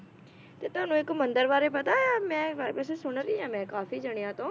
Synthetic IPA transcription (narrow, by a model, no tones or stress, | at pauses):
t̪et̪aːnũːɪkmɐ̃nd̪əɾʋaːɾepɐt̪ajamɛ̃ːapɛːs̬esʊɽ̃ɾiãːmɛ̃ːkaːfid͡ʒɐɽ̃ejãt̪õː